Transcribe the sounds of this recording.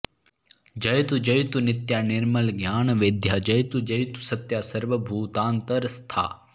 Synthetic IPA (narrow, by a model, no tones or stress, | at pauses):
d͡ʒɐjt̪ud͡ʒɐjt̪unit̪jaːnɪɾmɐlɡjaːɳɐʋid̪ʱjad͡ʒɐjt̪ud͡ʒɐjt̪u̥sɐt̪jaːsɐɾʋɐbʱuːt̪aːnt̪ɐɾst̪ʰa̰ː